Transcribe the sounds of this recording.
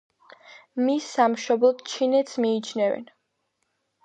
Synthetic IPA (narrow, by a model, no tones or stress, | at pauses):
misːamʃɔblˠɔd̪̥t͡ʃʰinɛt̪smiːt͡ʃʰnɛvɛ̰n